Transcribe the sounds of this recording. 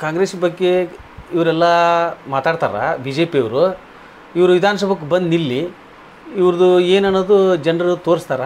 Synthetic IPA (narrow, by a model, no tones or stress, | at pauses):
kaːŋɡɾeːsbɐɡːeiʋɐɾɛlːɐmaːt̪aːɖt̪a̰ːɾa̰ːbiːd͡ʒeːpijɐʋɾu | iʋɐɾuʋid̪ʱaːnɐs̬ɐbʱɐk̬ːubɐnd̪nilːiː | ʋɾɐd̪ueːnaːnːoːd̪ud͡ʒɐɳɖɐɾut̪oːɾst̪aːɾɐ